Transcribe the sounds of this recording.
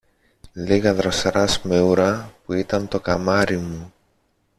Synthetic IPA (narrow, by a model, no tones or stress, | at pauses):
liɣɐðɾɐsɾɐsmeuɾɐpuit̪ɐnt̪o̞kɐmɐɾimu